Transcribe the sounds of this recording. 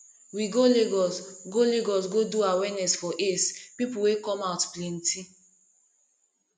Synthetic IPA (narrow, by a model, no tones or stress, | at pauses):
wiɡoleɡɔsɡoleɡɔs̬ɡoduawɛnɛsfɔʔespipuwekɔmaʊtplɛnti